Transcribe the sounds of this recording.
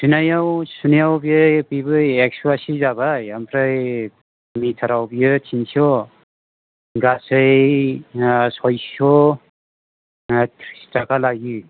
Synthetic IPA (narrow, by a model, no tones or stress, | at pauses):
sunajawsunajawbijɯpibɯek̚suasizabajampʰɾaj | mitʰaɾawbijɯtʰinsiɔ | ɡasɯj | sɔjsɔ | tʰɾistakalaɡɯ